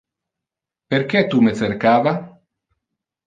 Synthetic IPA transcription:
peɾkɛt̪umeθeɾkaːva

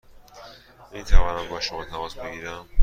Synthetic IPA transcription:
mint̪ʰævɒːnæmbɒːʃomɒːt̪ʰæmɒːsbe̞ɡiːɾæm

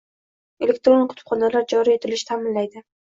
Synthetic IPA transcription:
elek̚t̪ɾonqʰʊ̥t̪ʰʊ̥pχɒnalaɾd͡ʒɒɾie̞t̪ʰɪlɪʃt̪ʰamɪnlajd̪ɪ

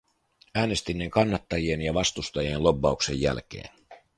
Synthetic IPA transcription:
æːne̞st̪inːeŋkɑnːɑt̪ːɑjienjɑʋɑst̪ust̪ɑjienlo̞bːɑukse̞jːæ̰lk̟e̞̰ːn

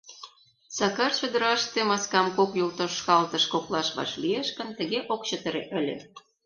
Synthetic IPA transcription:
sɑkɑrt͡ɕø̆d̪ə̆ɾɑʃt̪emɑskɑmkokjult̪oʃkɑlt̪ə̆ʃkoklɑʃβɑ̰ʃlieʃkə̆nt̪ə̆ɣeʔokt͡ɕət̪ə̆ɾḛʔə̆lʲḛ

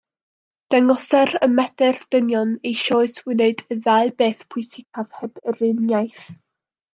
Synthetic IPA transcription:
d̥ɛŋɔsɛɾəmɛdɛrd̥ənjɔnejʃoːɨswɪnɛdəðaɨbeːθpʰʊɨsɪkʰav̥hɛb̥ərɪnjajθ

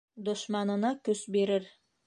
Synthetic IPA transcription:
d̪ŏʃmɑnɤ̆nɑkɵsbiɾɘɾ

